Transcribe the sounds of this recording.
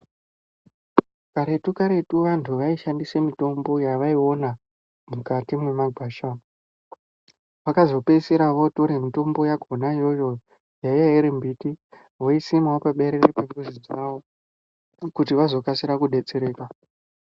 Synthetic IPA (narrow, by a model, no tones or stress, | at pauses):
kaɾe̞tukaɾe̞tuʋantʰuʋaiʃandisemito̞mbo̞jaʋaio̞na | mukatimwe̞maɡʱaːʃa | ʋakazo̞peseɾaʋo̞toɾemito̞mbo̞jaɡʱonajo̞jo̞ | jaijaiɾimbiti | ʋo̞isimaopaɓe̞ɾeɾepe̞mbuzid͡zaʋo̞ | kutiʋazo̞kasiɾakuɗe̞t͡se̞ɾe̞ːka